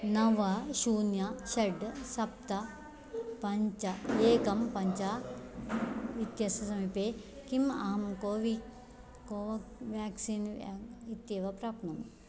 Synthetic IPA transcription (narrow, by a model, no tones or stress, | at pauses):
nɐʋɐʃuːnjɐʃɐɖsɐp̚t̪ɐ | pɐɲt͡ʃɐeːkɐmpɐɲt͡ʃaː | ʋit̪jɐsɐsɐmipeːkimɐ̰ɦɐmkoːʋi | koːʋjaːksiːnit̪jeʋɐpɾaːpnɐm